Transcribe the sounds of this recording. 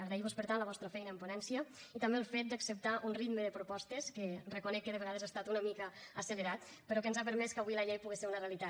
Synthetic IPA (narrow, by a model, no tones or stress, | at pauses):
əɣɾejβospəɾt̪anləβɔst̪ɾəfɛjnəmponɛnsiəit̪ambeəlˠfet̪̚d̪əksəp̚t̪aʔunrit̪məðəpɾupɔst̪eskerəkunɛkːəðəβeɣ̞að̞ezast̪at̪unəmikəəsələɾat̪ | pəɾɔkənzapəɾmɛskəβujləʎejpuɣeseɾunərealit̪a